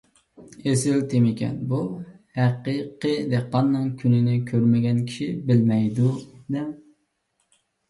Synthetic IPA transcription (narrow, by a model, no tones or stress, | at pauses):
esɪlt̪ʰemɪkʲɛ̰nbuhæqiqəd̪eqːɑnːɨŋkʲʰynɪnɪkʲʰøɾmɪɡʲɛnkʲʰi̥ʃibɪlmɛjd̪ud̪ɛm